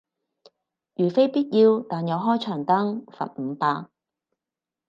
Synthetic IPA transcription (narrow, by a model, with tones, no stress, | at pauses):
jyː˨˩fe˥jpiː˥t̚jiː˧wt̪aː˨njɐ˨˧wɦɔː˥jt͡ʃʰœː˨˩ŋt̪ɐ˥ŋfɐ̰˨t̚m̩ː˨˧paː˧